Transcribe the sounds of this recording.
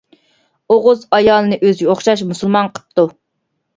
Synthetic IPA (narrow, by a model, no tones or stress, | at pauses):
oʁʊzɑjɑːlˠɨnɨʔøzɡʲɛoχʃɑʃmusulˠmɑnqʰə̥p̚t̪u